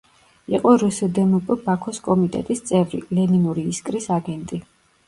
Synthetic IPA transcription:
iqʼɔɾusɛd̪ɛmupʼbakʰɔskʼɔmit̪ʼɛ̰t̪ʼist̪sʼɛvɾḭlɛninuɾiːskʼɾisaɡɛnt̪ʼi

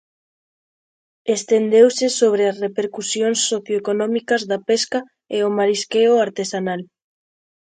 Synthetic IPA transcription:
est̪end̪ewsɪsoβ̞ɾeasrepeɾkusjonsːoθjoekonɔ̃mikɐzðapeska | eomaɾiskeoaɾt̪esanal

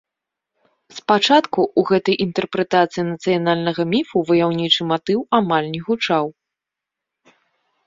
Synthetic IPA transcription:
spat͡ʂat̪kuuɣɛt̪ɐjʔint̪ɛrpɾɛt̪at̪sɨjinɐt̪sɨjanalʲnɐɣɐmʲifuvɐjawnʲit͡ʂɨmat̪ɨwamalʲnʲɛɣut͡ʂaw

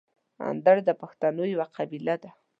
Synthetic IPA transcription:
a̰nd̪aɾd̪apaxt̪anojwaqʰabilad̪a

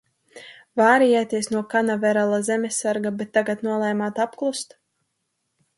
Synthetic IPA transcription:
vaːɾijat̪iɛsnuɔkanavɛɾalˠazɛmʲesʲːaɾɡabɛt̪ːaɡat̪nuɔlˠɛjmaːt̪apklˠust̪

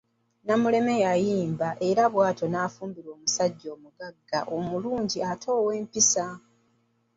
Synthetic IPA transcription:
namule̞me̞jajiːmbaʔe̞ɾaβwaːto̞naːfuːmbiɾo̞ːmusaɟːo̞ːmuɡaɡːa̰ʔomuluːɲɟiatʰo̞ːwe̞ːmpisa

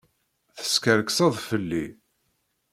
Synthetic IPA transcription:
θə̥skəɾksɑðˤfəlːi

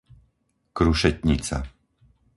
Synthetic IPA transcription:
kɾuʃɛc̪ɲit͡sa̰

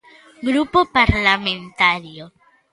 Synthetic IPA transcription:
ɡɾupopaɾlamẽnt̪aɾjo

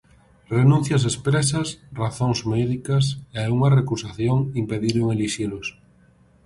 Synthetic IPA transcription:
renũn̟θjɐs̬espɾesɐsraθoŋzmɛðikɐs̬eauŋarekusaθjoŋimpeðiɾoŋeliʃelos

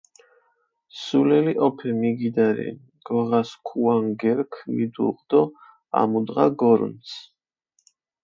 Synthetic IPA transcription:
sulɛliʔɔpʰɛmiɡid̪aɾɛ̰niɡ̥lʁaskʰuaŋɡɛɾkʰvḭd̪ṵlqʼd̪ɔ | a̰mud̪ʁaɡɔɾns

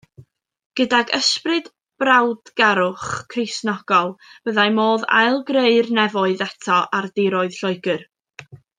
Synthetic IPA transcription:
ɡ̥ədaɡəsprɨd | b̥rawdɡ̥aɾʊχkʰrɪsnɔɡ̥ɔlˠb̥əðajmoːða̰jlˠɡreɨrnɛvɔɨðatʰɔʔardɪɾɔɨð̥ɬɔɨɡɨr

